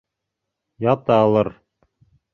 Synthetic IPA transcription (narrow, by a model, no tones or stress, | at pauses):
jɑt̪ɑːlˠɤɾ